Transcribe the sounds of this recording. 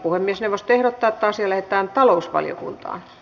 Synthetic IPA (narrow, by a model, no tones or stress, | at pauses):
puhemːiesneʋost̪oehrot̪ːɑːet̪ːæɑsjɑlæhet̪ˑæːnt̪ɑlousʋɑ̰ljo̰kṵnt̪ɑ̰ːn